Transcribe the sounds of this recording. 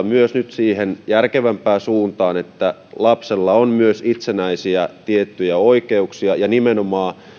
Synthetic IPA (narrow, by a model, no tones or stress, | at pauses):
myøsnyt̪siːhenjærkeʋæmpæːsuːnt̪ɑːnet̪ːælɑpselːɑonmyøsit̪senæisiæt̪iet̪ːyjæoikeuksiɑjɑnimenomɑː